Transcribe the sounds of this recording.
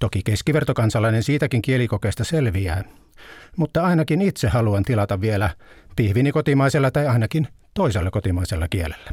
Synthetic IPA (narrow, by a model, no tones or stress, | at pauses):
t̪okikeskiʋert̪okɑnsɑlːˑɑinensiːt̪ækiŋkielikokeːst̪ɑselʋiæː | mut̪ːɑɑinɑkinit̪sehːɑluɑnt̪ilɑt̪ɑʋʋielæ | pihʋinikot̪imɑiselːɑt̪ɑiɑinɑkint̪oiselːekot̪imɑiselːɑkielelːæ